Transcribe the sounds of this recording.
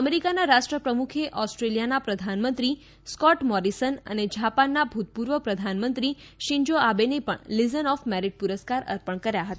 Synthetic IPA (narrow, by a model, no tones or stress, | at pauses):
əmeɾikanaɾaʃʈɾəpɾəmukʰeʔɔsʈɾeljanapɾəd̪ʱanmə̃nt̪ɾi | skɔʈmɔɾisənə̰ned͡ʒapanːabʱut̪̚puɾʋəpɾəd̪ʱanmənt̪ɾi | ʃiɲd͡ʒoabenepə̰ɳlizənɔfmɛɾiɖ̚puɾəskaɾə̰ɾpəɳkəɾjaɦət̪aa